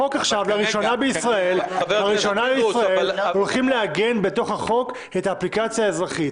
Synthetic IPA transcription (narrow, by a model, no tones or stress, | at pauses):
o̞kaχʃavlaʁiʃo̞nabeisʁae̞lhaʁiʃonaleisʁae̞llo̞lχimleaɡe̞nbe̞to̞χhaχo̞k | etaːplikat͡sjaezʁaχit